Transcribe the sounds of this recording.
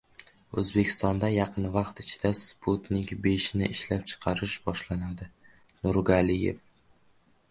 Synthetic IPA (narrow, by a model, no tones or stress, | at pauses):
ɵzbe̞kʲʰɪ̥st̪ɒnd̪ajɑqʰɨnvɑqt̪ɪt͡ʃʰɪ̥d̪aspʰut̪nɪkʲbeʃnɪʔɪʃlap̚t͡ʃʰɨ̥qʰɑɾɪʃbɒʃlanad̪ɪ | nʊɾɡalɪjḛf